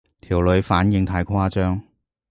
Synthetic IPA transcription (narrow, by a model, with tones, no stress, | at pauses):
t̪ʰiː˨˩wlɵ˨˧ɥfaː˨˥njɪ˧ŋt̪ʰaː˨˥jkʰwaː˥t͡ʃœː˥ŋ